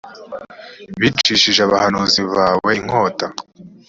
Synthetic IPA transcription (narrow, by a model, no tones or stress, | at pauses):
βit͡ʃiːʃiʒeaβahanuːziβaːwe̞iŋ̥ho̞ːta